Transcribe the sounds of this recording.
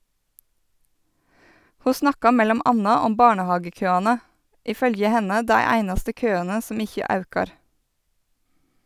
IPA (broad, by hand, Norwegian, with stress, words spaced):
ˈhuː ˈsnɑkɑ ˈmɛlɔm ˈʔɑnɑ ˈɔm ˈbɑːɳəˌhɑːɡəˌkøːɑnə ˈʔiː ˈfœljə ˈhɛnə ˈdæɪ ˈæɪnɑstə ˈkøːɑnə ˈsɔm ˈɪçə ˈɑʉkɑɾ